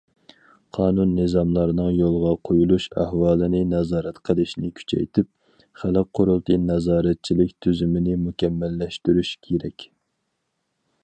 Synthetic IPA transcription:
qʰɑːnunːɨzɑmlˠɑɾɨnɨŋjolˠʁɑqʰojulˠuʃæ̰hwɑːlˠɨnɪnɛzɑːɾɛt̪qʰəlˠɪʃnɪkʲʰy̥t͡ʃʰɛ̰jt̪ʰɪp̚ | χæləqqʰːoɾulˠt̪ʰɨnɛzɑːɾɛt̪̚t͡ʃʰilɪkʲt̪ʰyzymɪnɪmukʲʰɛmːælːɛʃt̪yɾyʃkʲʰeɾɛkʲ

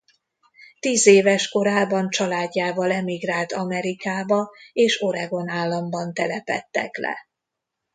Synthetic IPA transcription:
t̪iːzeːvɛʃko̞ɾaːbɒnt͡ʃɒlaːɟːaːvɒlɛmiɡraːlt̪ɒmɛɾikaːbɒeːʃo̞ɾɛɡo̞naːlːɒmbɒnt̪ɛlɛpɛ̰t̪ːɛ̰klɛ̰

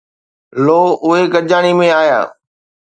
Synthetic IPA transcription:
loːʊɦekɐʄaːɽ̃imẽaːja̰ː

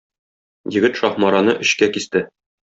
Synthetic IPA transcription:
jɘ̆ɡɘt̪ʃɒχmɑɾɑnɤʔɵ̆ɕkækist̪ɘ

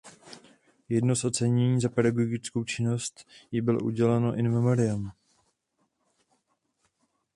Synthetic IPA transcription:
jɛdno̞sʔot͡sɛɲɛɲiːzapɛdaɡoɡɪt͡sko̞wt͡ʃɪno̞st̪jɪbɪlo̰ʔṵɟɛlɛno̞ʔɪnmɛmoɾɪam

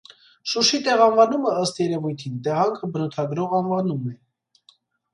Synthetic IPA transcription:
ʃuʃit̪ɛʁɑnvɑnuməəst̪jɛɾɛvujt̪ʰint̪ɛʁɑŋkʰəbənɔt̪ʰɑɡɾɔʁɑnvɑnumɛ

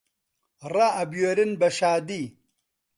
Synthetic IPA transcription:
ɾaːbjoɾinbɐɕaːd̪i

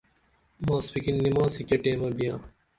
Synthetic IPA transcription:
mãːspikinːimãːsikeʈẽːmɐbijãː

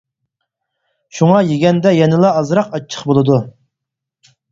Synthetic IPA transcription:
ʃuŋɑjeɡʲɛnd̪ɛjɛnɪlˠɑɑzɾɑqɑt͡ʃʰːə̥χbolˠɨd̪u

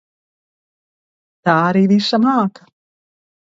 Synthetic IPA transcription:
t̪aːaɾiːviʃamaːkḁ

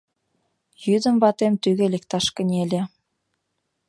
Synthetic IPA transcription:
jyd̪ə̆mβɑt̪emt̪yɣĕlek̚t̪ɑʃkə̆nʲelʲĕ

